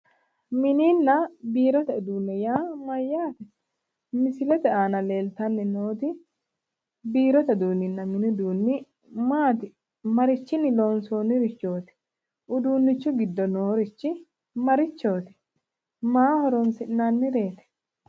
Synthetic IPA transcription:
mɪninːɐbiːɾɔt̪ɐɪd̪uːnːɛjaːmɐjːaːt̪ɛ | mɪsɪlɛt̪ɛaːnɐle̞ːlt̪ɐnːɛnoːt̪ɪ | biːɾɔt̪ɐd̪uːnːɪnːɐmɪnɪd̪uːnːɪ | maːt̪ɪ | mɐɾɪt͡ʃːɪnːɪloːnsoːnɪɾɪt͡ʃːo̞ːt̪ɪ̥ | ʔʊd̪uːnːɪt͡ʃːʊɡɪd̪ːɔnoːɾɪt͡ʃːɪ | mɐɾɪt͡ʃːo̞ːt̪ɪ̥ | maːhɔɾonsɪnːaːnːɪɾe̞ːt̪ɛ̥

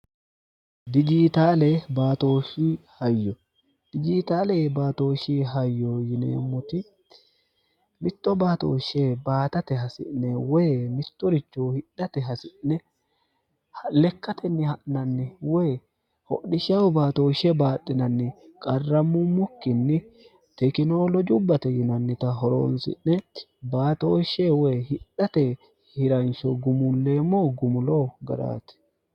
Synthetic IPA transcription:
d̪ɪd͡ʒiːt̪aːlɛbaːt̪o̞ːʃihɐjːɔ | d̪̥ɪd͡ʒiːt̪aːlɛbaːt̪o̞ːʃiːɦɐjːojɪnḛːmʊt̪ɪ | mɪt̪ːɔbaːt̪o̰ːʃeːbaːt̪ɐt̪ɛɦɐsɪ̰ʔnːɛwɔmɪt̪ːɔɾɪt͡ʃːoːhɪɗːɐt̪ɛɦɐsɪnɛ | hlɛkːɐt̪ʰɛnːɪhɐʔnɐnːɪwej | hɔ̰ɗɪʃɐwbaːt̪oːʃɛbaːt̪ʼːɪnɐnːɪkʼɐrːɐmːʊmːʊkːɪnːɪ | t̪ɛkɪnoːlɔd͡ʒʊbːɐt̪ɛjɪnɐnːɪt̪ɐɦɔɾo̰ːnsɪ̰nːɛ | baːt̪oːʃɛwehɪɗɐt̪ɛ | hɪɾɐnʃɔɡʊmʊnle̞ːmːoːɡʊmʊloːɡɐ̰ɾa̰ːt̪ɪ̥

